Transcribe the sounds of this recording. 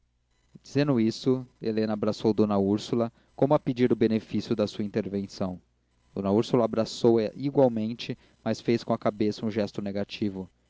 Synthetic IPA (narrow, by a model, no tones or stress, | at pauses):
d͡ʒizẽnd̪ʊist̪ʊḛlẽnɐabɾasowd̪õnɐuɾsulɐ | kõmʊɐped͡ʒiɾʊbenefisjʊd̪ɐsuɐĩnt̪eɾvẽsɐ̃w̃ | d̪̥õnɐuɾsulɐaːbɾasowɛiɡwawmẽnt͡ʃɪ | mɐsfejskõɐkabesɐũʒɛst̪ʊneɡat͡ʃivʊ